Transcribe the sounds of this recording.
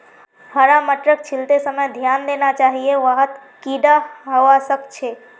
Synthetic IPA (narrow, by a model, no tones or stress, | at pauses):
həɾaməʈɾək̚t͡ʃʰilt̪esəməjd̪ʱjand̪enat͡ʃaɦieʋəɦət̪kiɖaɦəʋasəbt͡ʃʰe